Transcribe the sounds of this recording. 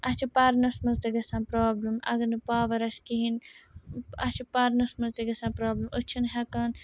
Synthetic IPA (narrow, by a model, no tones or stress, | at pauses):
ɐt͡ʃʰipɐɾnɐsmɐzd̪ɐɡɐsãːnpɾaːblɨmɐ̰ɡɐnɨpaːʋɐɾɐskiɦin | ɐ̰t͡ʃʰipɐɾnɐsmɐzd̪ɐɡɐsãnpɾaːblɨmɨt͡ʃʰinɦɐkɐn